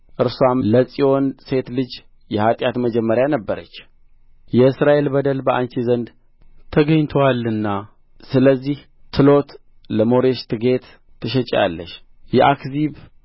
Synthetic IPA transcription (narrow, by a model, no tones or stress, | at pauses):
ʔɨɾswamləsʼio̞nse̞t̪lɨd͡ʒ | jɛhat̪ʼjat̪məd͡ʒɛmːəɾjanəbːəɾə̰t͡ʃː | jɛɨsɾaʔe̞lbəd̪əlbəʔant͡ʃizənd̪ | t̪ʰəɡəɲt̪ʰwalɨnːa | sɨləzːih | t̪ʰɨlo̞t̪ | ləmo̞ɾe̞ʃt̪ʰɨɡe̞t̪ʰː | ɨʃɛt͡ʃʼja̰lːə̰ʃ | jɛʔakziβ